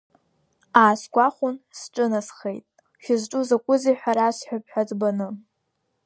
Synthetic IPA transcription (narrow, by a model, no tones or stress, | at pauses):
aːskʷʼaχʷʊnsʈ͡ʂʼɨnasχḛjtʼ | ʃʲɪzʈ͡ʂʼuzakʷʼʊziħaɾasħʷᶣap̚ʰʼħʷᶣad͡zʼbanɨ